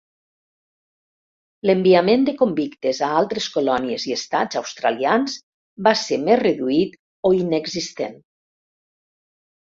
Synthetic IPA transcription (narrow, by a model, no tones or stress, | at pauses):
lembiamend̪əkombikt̪ezaalˠt̪ɾeskolɔnieziest̪ad͡zawst̪ɾa̰lianz | basemezreðuit̪ | oineɡzist̪ḛn